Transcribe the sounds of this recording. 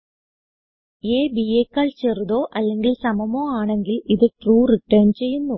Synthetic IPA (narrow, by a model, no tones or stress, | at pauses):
eːbieːkːaːɭt͡ɕeruðo̞ːʔɐlːe̞ŋɡilsɐmɐmo̞ːaːɳe̞ŋɡiliðɨʈruːriʈːɐːnt͡ɕe̞jːunːu